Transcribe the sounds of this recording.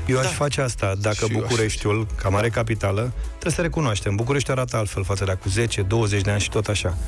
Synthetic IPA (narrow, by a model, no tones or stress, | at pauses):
jewaʃfat͡ʃeast̪ad̪akəbukuɾe̞ʃt̪ʲulkamaɾekapit̪alət̪ɾesəɾe̞kunoaʃt̪e̞mbuk̬uɾe̞ʃ̬t̪uaɾat̪əalt̪fe̞lfat̪səd̪eakuze̞t͡ʃe̞d̪o̞wəzet͡ʃʲd̪e̞anʲʃi̥t̪o̞t̪aʃa